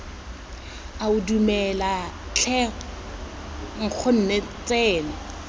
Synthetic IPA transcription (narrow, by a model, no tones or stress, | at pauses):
aʊdumɛlat͡ɬʰɛ | ŋ̩k͡xʰʊn̩net͡sɛːnɛ